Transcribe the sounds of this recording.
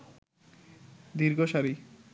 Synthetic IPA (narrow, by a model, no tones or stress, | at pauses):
d̪iɾɡoʃaɾi